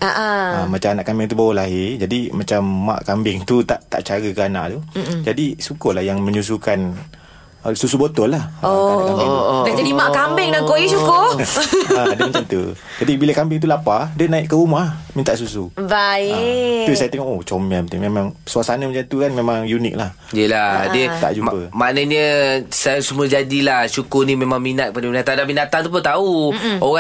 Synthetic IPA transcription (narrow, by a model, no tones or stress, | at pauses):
ʔaʔaamat͡ʃamanaʔkambɪŋt̪ubawlaɦɪd͡ʒadimat͡ʃamːa̰ʔkambɪŋt̪ut̪aʔt̪a̰ʔt͡ʃaɾəkəanã̰ʔt̪ud͡ʒadisukʊlahjaŋmə̃ɲus̬ukan | əsusubot̪ɔlahoadad͡ʒadimaʔkambɪŋdaŋkoisukʊ | adəməant̪ṵ | d͡ʒadibiləkambɪŋt̪ulapadənaiʔkəumamint̪aʔsusuba | t̪usajat̪eŋɔʔot͡ʃɔmaət̪memãŋsuasanaməd͡ʒant̪ukanmemaŋjunḭk̚lah | jəladət̪a̰ʔd͡ʒumpəmanəɲəsasuməd͡ʒadilahʃukʊrnimemãŋminat̪̚padaminat̪adamindat̪aŋt̪up̬ʊnt̪auoɣa